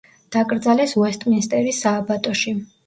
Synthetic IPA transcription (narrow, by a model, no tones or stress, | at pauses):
d̪̥akʼɾd̪zalɛsuɛst̪ʼminst̪ʼɛɾisaːbat̪ʼɔʃi